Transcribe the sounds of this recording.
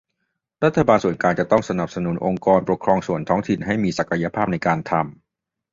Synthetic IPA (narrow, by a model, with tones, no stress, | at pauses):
ɾa˦˥t̪ʰːa˧baː˧nsu˨˩ənkaː˧nt͡ɕa˨˩t̪ɔ˥˩ŋsa˧na˨˩p̚sa˧nu˨˩˦nʔo˧ŋkɔː˧npɾo˨˩kʰɾɔː˧ŋsu˨˩ənt̪ʰɔː˦˥ŋt̪ʰi˨˩nɦa˥˩jmiː˧sa˨˩kʰa˧ja˧pʰaː˥˩p̚na˧jkaː˧nt̪ʰa˧m